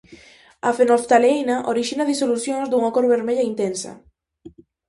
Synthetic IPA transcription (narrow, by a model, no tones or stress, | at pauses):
afenoft̪alejnaʔoɾiʃinaðisoluθjoŋzd̪uŋokoɾβeɾmeʎaint̪ensɐ̰